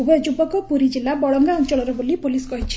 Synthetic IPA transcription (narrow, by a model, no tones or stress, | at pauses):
ubɔjɔd͡ʒubɔkɔpuɾid͡ʒilabɔɭɔŋɡaɔnt͡ʃɔɭɔɾɔbolipulisɡɔɦit͡ʃʰi̥